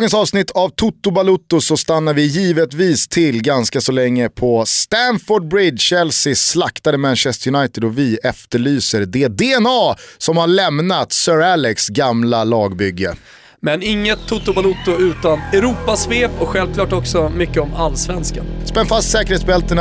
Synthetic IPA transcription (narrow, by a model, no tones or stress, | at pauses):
ɡənsɑːvsnɪt̪ʰːavt̪ʰʊt̪ːʊbalʊt̪ːʊsɔst̪anːaɾvɪjiːvət̪viːst̪ʰɪlːɡanskasɔlɛŋːəpʰɔst̪ænfɔɖ̚bɾɪd̪ɕɛlsɪslakt̪ad̪əmɛnɕɛst̪əɾjʊnajt̪ɪd̪ɔvɪɛft̪əɭyːsəɾd̪eːd̪eːɛnɑːsɔmhaɭɛmnat̪sœːɾalɛksɡamlalɑːɡbʏɡːə | mɛnɪŋːət̪ʰːʊt̪ːʊbalʊt̪ːʊʉ̟ːt̪anɛɾuːpasveːpɔɧɛlvkʰlɑːʈɔksɔmʏkːəɔmalːsvɛnskaspɛnfast̪sɛːkəɾeːt̪sbɛlt̪ən